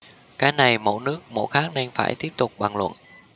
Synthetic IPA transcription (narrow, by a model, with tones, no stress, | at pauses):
kaː˨˦jna˨˩jmo̰˧˥nɨ˦˥ək̚mo̰˧˥jxaː˦˥k̚nɛ˧ŋfa̰ː˧˩jt̪i˦˥əp̚t̪ʊ˨˩k͡p̚ɓa˨˩ŋlwə̰˧˨n